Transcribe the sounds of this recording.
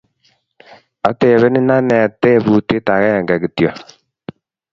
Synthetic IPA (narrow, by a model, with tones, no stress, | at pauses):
a˨tɛ˨βɛ˦ni˦na˦nɛ˨a˨tɛ˦˨βu˦te˦ta˨ɣa˦a˨ŋɡa˨ɡi˨tja˨